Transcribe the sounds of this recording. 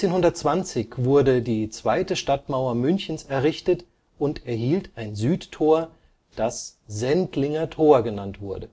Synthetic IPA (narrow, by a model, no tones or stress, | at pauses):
t͡seːnhʊndɐt̚t͡sv̥ant͡sɪçv̥ʊɐdədiːt͡sv̥aɪtəʃtatmaʊɐmʏnçn̩sɛɐʁɪçtət | ʊntɛɐhiːltʰaɪnzyːtʰːoːɐ | d̥aszɛntlɪŋɐtʰoːɐɡənantv̥ʊɐdə